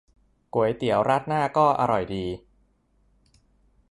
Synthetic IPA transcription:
ku˨˩˦jt̪i˨˩˦əwɾa˦˥t̪̚naː˥˩kɔː˥˩ʔa̰˧ɾɔ˨˩jdiː˧

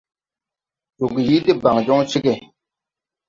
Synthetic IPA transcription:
tu˨ɡi˨ji˦di˦ba˨ŋ˨d͡ʒɔ˦ŋ˦t͡ʃi˦ɡe˦˨

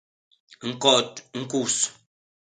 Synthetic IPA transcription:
ŋ̩˦˨kɔ˦˨t̚ŋ̩˦ku˦˨s

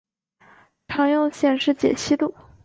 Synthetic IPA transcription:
ʈ͡ʂʰɑ˧˥ŋjo˥˧ʊɕjɛ˥˧nʂɻ̩˥˩t͡ɕjɛ̰˨˩ɕʰi˥t̪u˥˩

